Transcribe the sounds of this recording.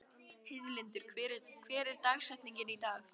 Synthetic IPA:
hɪvlɪnt̪ʏɾ̥kʰɛɾkʰvɛːɾɪɾ̥t̪aːɣsɛht̪niɲcɪnit̪aːx

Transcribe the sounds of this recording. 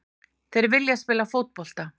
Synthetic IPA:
θejɾvɪljaspɪːlafowt̪̚pɔl̥t̪a

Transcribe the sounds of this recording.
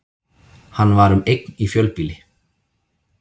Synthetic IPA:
hanːvaɾʏmejknifjœlpiːlɪ

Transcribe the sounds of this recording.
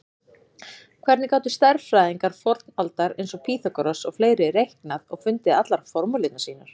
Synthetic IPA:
kʰv̥ɛɾt̪nɪkaːwt̪ʏst̪aɾfɾajðiŋkaɾ̥fɔɾt̪nalt̪aɾḛjnsɔpʰiːθakɔɾɔsɔɣfleːjɾɪrejhknaðɔɣfʏnt̪ɪðat̪laɾ̥fɔɾmʏlɪt̪nḁsiːnaɾ̥

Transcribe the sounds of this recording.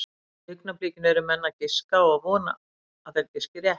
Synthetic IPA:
ʏknapliːcɪnɛɾʏmɛnːacɪskaɔɣavɔːna̰ː | ðɛt̪cɪscɪɾjɛh

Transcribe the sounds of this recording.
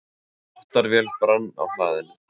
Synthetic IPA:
ɔht̪aɾvjɛlpɾanːa̰wɬa̰ːðɪn

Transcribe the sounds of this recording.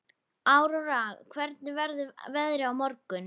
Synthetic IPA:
aːwɾɔɾaːɣkʰvɛɾt̪̚nɪvɛɾðʏvɛðɾɪawmɔɾkʏn

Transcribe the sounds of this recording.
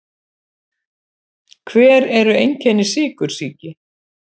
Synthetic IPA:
kʰvɛːɾɛɾʏejɲcʰɛnːɪ̥sɪːkʏɾ̥siːcɪ

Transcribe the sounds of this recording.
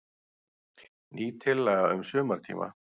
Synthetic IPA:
nʔiːt̪ʰɪlːɛːɣaʏmsʏːmaɾ̥t̪ʰḭːma̰

